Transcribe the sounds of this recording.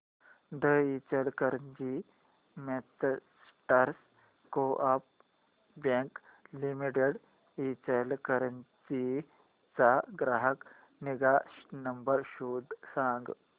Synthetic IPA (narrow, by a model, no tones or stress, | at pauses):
d̪əit͡ʃəlkəɾənd͡ʒi | met͡ss | ʈəɾs | koʔɐp̚ | bẽŋklimiʈeɽ | it͡ʃəlkəɾənt͡ʃi | t͡saɡɾaːɦək | niɡanɐmbəɾʃuːd̪sãːŋɡ